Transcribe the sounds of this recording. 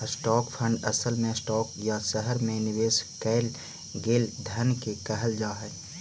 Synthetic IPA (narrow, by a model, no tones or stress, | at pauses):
sʈɔːkpʰə̃ɳɖɐsəlmẽsʈɔːkjasəɦəɾmẽnɪʋeːskɛːl | ɡeːld̪ʱɐnkekɐɦəld͡ʒaːɦɛː